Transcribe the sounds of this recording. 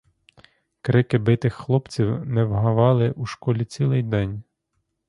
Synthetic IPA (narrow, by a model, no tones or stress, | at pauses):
kɾɪkɪbɪt̪ɪxːlˠɔpt͡sʲiwnɛwɦɐʋɑlˠɪʔuʃkɔlʲit͡sʲilˠɪjd̪ɛnʲ